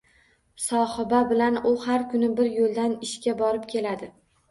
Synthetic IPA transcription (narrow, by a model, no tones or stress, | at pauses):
sɒhɪbabɪlanʊhaɾkʰʊnɪbɪɾjolˠd̪anɪʃkʲabɒɾɪpkʲʰe̞lad̪ɪ